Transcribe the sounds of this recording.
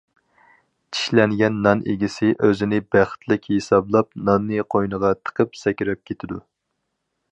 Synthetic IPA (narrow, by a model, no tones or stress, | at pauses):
t͡ʃʰi̥ʃlɛnɡʲɛnːɑnḛɡʲisɪʔøzɪnɪbæχt̪ʰlɪkʲhesɑblˠɑp̚nɑnːɨqʰojnəʁɑt̪ʰə̥qʰəpsɛkʲɪɾɛp̚kʲʰet̪ʰɪd̪u